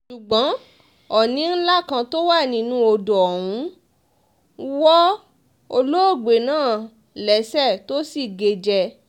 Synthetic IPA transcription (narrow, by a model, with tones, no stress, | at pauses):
ʃu˨ɡ͡bɔ̃˨˦ | ɔ˨nĩ˨˦n̩˦la˦˨kã˧to˦wa˦˨nĩ˧˦nũ˦o˧do˨ɔ˨wũ˨˦ | wɔ˦ | o˧lo˦o˦˨ɡ͡be˨nãː˦˨ | lɛ˨˦sɛ˦˨to˦si˦˨ɡe˨d͡ʒɛ˧